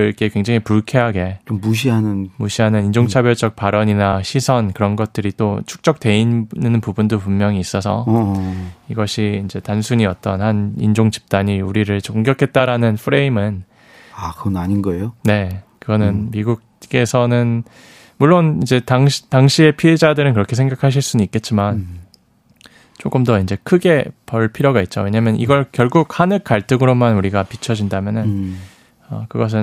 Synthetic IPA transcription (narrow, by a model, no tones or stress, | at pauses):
ɭk͈e̞kwe̞ŋd͡ʑaŋipuɭkʰe̞ɦaɡe̞t͡ɕommuɕʰiɦanɯnmuɕʰiɦanɯnind͡ʑoŋt͡ɕʰabjʌɭt͡ɕʌk̚paɾʌɲinaɕʰisʰʌnkɯɾʌnɡʌt̚t͈ɯɾit͈ot͡ɕʰu̥k̚t͡ɕ͈ʌk̚t͈e̞innnɯnpubundopummjʌŋiːs͈ʌsʰʌ | iɡʌɕʰiːnd͡ʑe̞tansʰuɲiʌt̚t͈ʌnhanḭnd͡ʑoŋd͡ʑi̥p̚t͈aɲiuɾiɾɯɭt͡ɕoŋɡjʌkʰe̞t̚t͈aɾanɯnpʰɯɾe̞imɯn | akɯʌnaɲinɡʌejone̞kɯɡʌnɯnmiɡuɡ̚ke̞sʰʌnɯn | muɭːonid͡ʑe̞taŋɕtaŋɕʰie̞pʰiɦe̞d͡ʑadɯɾɯnkɯɾʌkʰe̞sʰe̞ŋɡakʰaɕ̬ʰiɭs͈unuik͈e̞t̚t͡ɕ͈iman | t͡ɕ͈ok͈ɯmdʌind͡ʑe̞kʰɯɡe̞pʌɭpʰiɾjoɡait̚t͡ɕ͈o̰we̞ɲamjʌniɡʌɭkjʌɭɡuk̚hanɯk͈aɭt͈ʰɯɡɯɾomanuɾiɡapit͡ɕʰʌd͡ʑindamjʌnɯn | ʌkɯɡʌs̬ʰɯn